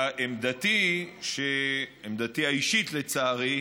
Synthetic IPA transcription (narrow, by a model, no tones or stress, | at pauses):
ʔemd̪at̪iʃeemd̪at̪iaiʃit̪let͡saːʁi